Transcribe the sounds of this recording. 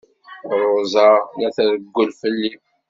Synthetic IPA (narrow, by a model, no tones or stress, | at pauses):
ɾˤozˤɑnæθæɾəɡːəlfəlːi